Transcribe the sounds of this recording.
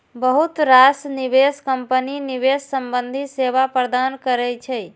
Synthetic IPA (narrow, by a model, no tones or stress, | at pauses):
bəɦut̪ɾasniβeskəmpəniniβesːəmbənd̪ʱiseβapɾəd̪ankəɾɛt͡ʃʰɛ